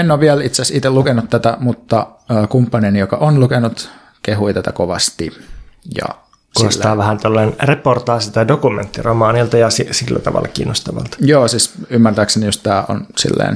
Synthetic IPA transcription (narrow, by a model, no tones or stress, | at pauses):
enːoːʋʋiælit̪sesit̪elukenut̪tæt̪æmut̪ːɑːkumpːɑnenijokɑʔonlukenut̪ | keɦuit̪æt̪æ̰koʋɑst̪ijɑ̰ | ksuosːæɑːʋæhænt̪olːɑnnreport̪ɑːsit̪ɑdokument̪ːiromɑːnilt̪ɑjɑsisilːæ̰t̪ɑ̰ʋɑ̰lːɑ̰kḭːnːost̪ɑʋɑ̰lt̪ɑ̥joːsisymːært̪æːksenijostt̪æːʔo̰nsḭlːḛːn